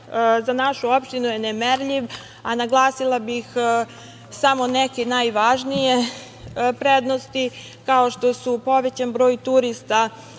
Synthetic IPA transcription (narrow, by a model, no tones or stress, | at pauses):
zanaʃuo̞pʃt̪inujenemeɾʎiʋ | anaɡlˠaːsilˠabix | samo̞nekenaːjʋaːʒnije̞ | pɾed̪no̞st̪i | kao̞ʃt̪o̞supo̞ʋe̞t͡ɕanbɾo̞ːjt̪uɾist̪a